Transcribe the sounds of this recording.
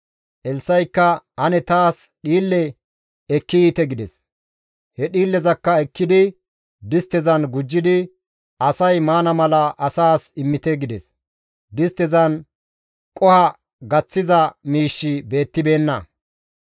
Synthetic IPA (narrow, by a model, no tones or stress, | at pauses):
ʔɛlsɐjkːɐhɐnɛt̪aːs | ɗiːlːɛ | ɛkːɪiːt̪ɛɡɪd̪ɛs | hɛɗiːlːɛzɐkːɐɛkːɪd̪ɪ | d̪ɪst̪ɛzɐnɡʊd͡ʒːɪd̪ɪ | ɐsɐjmaːnɐmɐlɐʔɐsaːsɪmːɪt̪ɛɡɪd̪ɛs | d̪ɪst̪ɛzɐn | kʼɔhɐ | ɡɐt͡sːɪzɐmiːʃːɪbe̞ːt̪ːɪbe̞ːnːɐ